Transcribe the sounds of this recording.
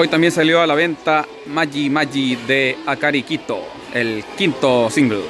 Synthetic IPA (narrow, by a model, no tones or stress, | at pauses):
ojt̪ambje̞ns̬aljoalaβe̞nt̪a | maʝimaʎiðeakaɾikit̪o̰ | elkint̪osiŋɡlo̰